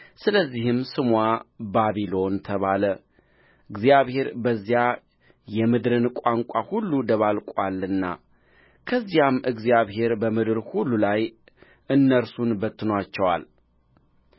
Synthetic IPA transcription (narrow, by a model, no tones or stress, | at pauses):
sɨləzːihɨmsɨmwabaβilo̞nt̪ʰəβalə | ʔɨɡzjaβhe̞ɾbəzːija | jɛmɨd̪ɾɨnkʷʼaŋkʷʼahulːud̪əβalkʼalːɨnːa̰ | kʰəzːijamʔɨɡzijaβɦe̞ɾbəmɨd̪ɾhulːulaj | ʔɨnːəɾsunbət̪ːɨnwat͡ʃːɛwa̰l